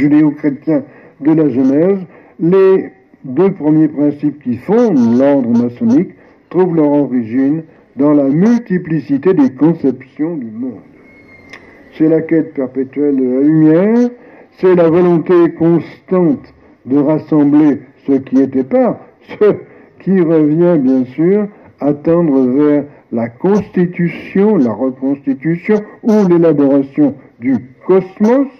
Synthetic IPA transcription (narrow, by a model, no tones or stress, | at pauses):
ʒyd̪eokχet̪jɛ̃ | d̪əlaʒənɛz | le | d̪øpχəmjepχɛ̃sip̚kʲifɔ̃d̪lɔʁd̪ʁəmasɔnik | t̪χuvlœʁɑʁiʒin | d̪ɑ̃lamylt̪iplisit̪ed̪ekɔ̃sɛpsjɔ̃d̪ymɔ̃d̪ | sɛlakʲɛt̪̚pɛʁpet̪ɥɛld̪əlaymjɛʁ | sɛlavɔlɔ̃t̪ekɔ̃st̪ɑ̃t̪ | d̪əʁasɑ̃blesəkʲiet̪ɛpaʁ | sə | kʲʰiʁəvjɛ̃bjɛ̃syːʁ | at̪ɑ̃d̪ʁəvɛʁ | lakɔ̃st̪it̪ysjɔ̃laʁəkɔ̃st̪it̪ysjɔ̃ulelabɔʁasjɔ̃d̪ykɔsmɔs